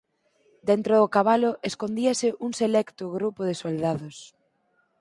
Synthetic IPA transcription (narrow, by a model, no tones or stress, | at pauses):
d̪ent̪ɾoðʊkaβalʊʔeskond̪iasɪʔuŋselɛkt̪ʊɣɾupʊðɪsold̪aðʊs